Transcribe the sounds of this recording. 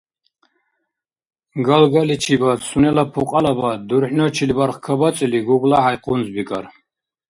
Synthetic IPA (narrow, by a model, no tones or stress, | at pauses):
ɡalɡalit͡ʃʰibasunɛlapʰuqʼalabad̪uɾħnɔt͡ʃʰilbaɾχkʰabat͡sʼiliɡuɡlaʕajqʰʼunzbikʼaɾ